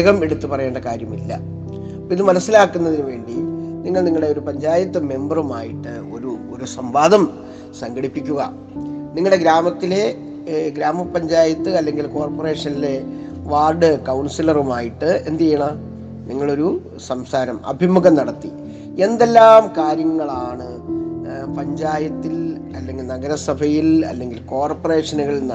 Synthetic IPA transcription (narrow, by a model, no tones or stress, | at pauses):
ɣɐme̞ɽut̪ːupɐrɐjeːɳɖɐkaːɾjɐmilːɐ̰ | pːoiðɨmɐnɐsːilaːkːunːɐðinuʋe̞ːɳɖiniŋːɐɭniŋːɐɭɽe̞o̞ɾupɐɲd͡ʑaːjɐt̪ːɨme̞mbɐruma̰ːjiʈːɨo̞ɾuoɾusɐmbaːd̪ɐm | sɐŋɡɐɽipːikʲːuɣɐ̰ | niŋːɐɭɽeɡɾaːmɐt̪ːile̞ | ɡɾaːmɐpːɐɲd͡ʑaːjɐt̪ːɨɐlːe̞ŋɡilko̞ːrpore̞ːʂɐnile̞ | ʋaːrɖɨkɐwɳsilɐrumaːjiʈːɨe̞nd̪ejɐɳa | niŋːɐɭo̞ɾu | sɐmsaːɾɐmɐ̰bʱimuɣɐmnɐɽɐt̪ːi | e̞nd̪e̞lːaːmkaːɾjɐŋːɐɭaːɳɨ | pɐɲd͡ʑaːjɐt̪ːil | ɐlːe̞ŋɡilnɐɡɐɾɐsɐbʱɐjilɐ̰lːe̞ŋɡilko̞ːrpɐre̞ːʂɐnɐɣɐɭnː